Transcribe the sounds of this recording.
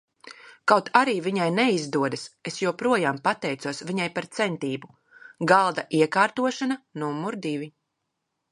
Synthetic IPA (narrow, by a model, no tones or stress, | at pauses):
kawt̪ʰaɾiːvʲiɲajnɛizd̪uɔd̪asesjuɔpɾuɔjaːmpat̪ɛjt̪uɔsvʲiɲajpaɾt̪sɛnt̪iːbu | ɡalˠd̪aʔiɛkaːɾt̪uɔʃananumːuɾd̪ivʲi